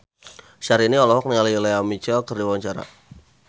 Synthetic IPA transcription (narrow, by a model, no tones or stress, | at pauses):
ʃaɾiniɔlɔhɔk̚niŋalileamit͡ʃɔkərdiwaɲt͡ʃaɾa̰